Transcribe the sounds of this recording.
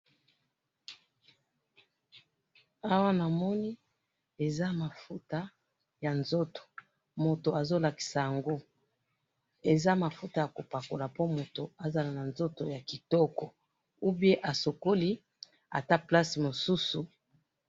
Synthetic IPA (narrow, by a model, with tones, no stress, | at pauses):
a˦wa˦na˨mɔ˦ni˦ | e˨za˦ma˨fu˦ta˦ | ja˨nzo˦to̥˨ | mo˨to˨a˨zo˦la˨ki̥˨sa˨ja˨ŋɡo˦ | e˨za˦ma˨fu˦ta˨ja˨ko˨pa˨ko˨la˨po˦mo˨to˨a˨za˨la˨na˨nzo˦to˨ja˨ki˨tɔ˦kɔ˨ | u˦bje˦ʔa˨so˨ko˦li˦ | a̰˨ta˦pla˦si˨mo˨su˦su˨